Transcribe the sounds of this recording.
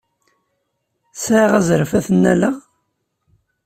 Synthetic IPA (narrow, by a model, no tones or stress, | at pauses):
sʕaʁæzɾfæθənːæ̰læ